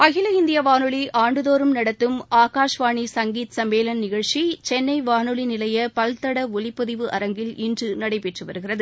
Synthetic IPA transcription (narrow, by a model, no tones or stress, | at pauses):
ɐɣɪlɐɪnd̪ɪjɐʋaːnɯɭiʔaːɳɖɯðoːɾɯmnɐɽɐt̪ːɯmaːkaːʂʋaːɳisɐŋɡiːt̪sɐmbeːlɐnnɪɣɐɻʂit͡ʃɛnːɐɪʋaːnɯɭinɪlɐjɐpɐlt̪ːɐɽɐʊɭɪpːɐðɪʋɯʔɐ̰ɾɐŋɡɪlɪndrɯnɐɽɐɪpɛʈrɯʋɐɾɯɣɪrɐðɯ